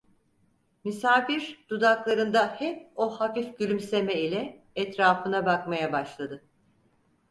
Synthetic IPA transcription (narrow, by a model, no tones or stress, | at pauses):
misaːfiɾd̪̥ud̪aklˠaɾɯnd̪ahɛp̚ohafifɟylʲymsemɛilʲɛ | ɛt̪ɾaːfɯnabakmajabaʃlˠad̪ɯ